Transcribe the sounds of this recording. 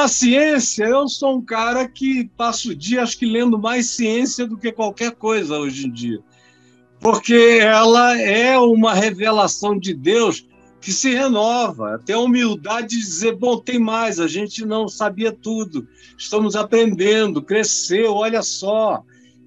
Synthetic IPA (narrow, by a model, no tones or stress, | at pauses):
ɐsiẽsiɐewsoũkaɾɐkɪpasʊd͡ʒiɐaʃʊ̥kɪlẽnd̪ʊmajssiẽsiɐd̪ʊkekwawkɛɾkojzɐoʒẽd͡ʒiɐ̰ | poɾkeɛlɐɛũmɐɦevelasɐ̃w̃d͡ʒɪd̪ews | kɪsɪhenɔvɐ̰t̪ẽj̃ɐumiwd̪ad͡ʒɪd͡ʒɪd͡ʒɪd͡ʒizeɾbõw̃t̪ẽj̃majzɐʒẽnt͡ʃɪnɐ̃w̃sabiɐt̪ud̪ʊɪʃt̪ɐ̃mʊzapɾẽnd̪ẽnd̪ʊkɾesewɔʎɐsɔ